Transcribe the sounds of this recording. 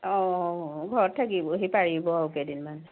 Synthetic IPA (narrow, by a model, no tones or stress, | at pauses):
ɔ̃ɡʱɔɹɔt̚tʰːakibɔɦipaɹibɔaupɛdinman